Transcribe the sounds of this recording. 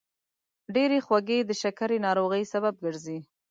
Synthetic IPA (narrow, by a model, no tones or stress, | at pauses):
ɖeɾexwaɡed̪əʃakaɾenɑɾoɣəjsabab̚ɡəɾzi